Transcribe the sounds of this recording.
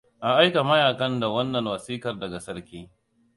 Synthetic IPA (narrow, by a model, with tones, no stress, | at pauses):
ʔa˨ʔa˦jka˨mɐ˦jaː˨kɐ˦nda˨wɐ˦nːɐ˨nwɐ˨siː˦kɐ˨rdɐ˨ɡa˨sɐ˦ɾkʲiː˦